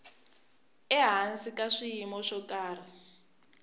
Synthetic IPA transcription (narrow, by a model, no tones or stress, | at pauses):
ɛɦansikaʂijimɔʂɔkaːr̤i